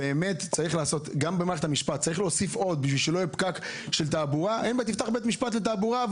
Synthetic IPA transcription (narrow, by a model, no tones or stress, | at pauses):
eːme̞t̪t͡saʁiχlaːso̞t̪ɡambemaːʁet̪amiʃpat̪t͡saʁiχleosifo̞d̪̚biʃvilʃelo̞jipkakʃelt̪̬aːbuʁaʔenbet̪ift̪aχbet̪miʃpat̪let̪̬aːbuʁav